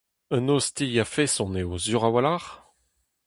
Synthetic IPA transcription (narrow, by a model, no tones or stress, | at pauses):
ənost̪ijafesɔ̃neozyʁawalaʁ